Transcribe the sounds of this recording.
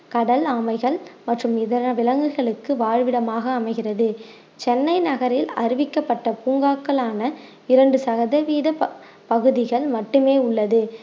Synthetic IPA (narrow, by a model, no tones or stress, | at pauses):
kɐɽɐlaːmɐɪɣɐɭmɐʈrɯmɪðɐɾɐʋɪlɐŋɡɯɣɐɭɯkːɯʋaːɻʋɪɽɐmaːɣɐːmɐɪɣɪrɐðɯ | t͡ʃɛnːɐɪnɐɣɐɾɪlɐ̰ɾɪʋɪkːɐpːɐʈːɐpuːŋɡaːkːɐɭaːnɐ | ɪɾɐɳɖɯsɐɣɐðɐʋiːðɐ | pɐɣɯðɪɣɐɭmɐʈːɯmeːʊɭːɐðɯ